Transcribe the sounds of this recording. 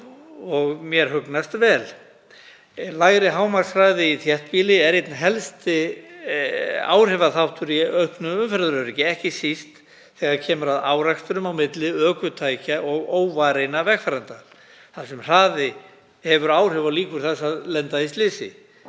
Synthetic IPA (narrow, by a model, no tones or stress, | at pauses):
ɔɣmjɛɾ̥ɦʏknast̪vɛːl | laːɣɾɪɦaːwmaksraːðɪiθjɛht̪̚piːlɪɛɾit̪nɦɛlst̪ɪ | a̰ːwr̥ɛvaθawht̪ʏɾiœɥhpnʏʏmfɛɾðʏɾʏɾɪcɪɛhcɪsist̪ | θɛːɣaɾcʰɛːmʏɾaðaːwɾakst̪ʏɾʏmawmɪt̪lɪœːkʏt̪ʰaːjcaʔɔɣoːwvaɾejnavɛxfaɾant̪a | θasɛmr̥aːðɪ | hɛvʏɾaːwr̥ɛvaliːkʏɾ̥θasaðlɛnt̪aist̪lɪːsɪ̰